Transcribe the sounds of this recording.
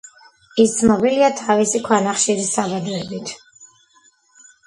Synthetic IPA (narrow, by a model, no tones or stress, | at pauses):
ist̪sʰnɔbiliat̪ʰavisikʰwanaχʃiɾisːabad̪ɔɛbit̪ʰ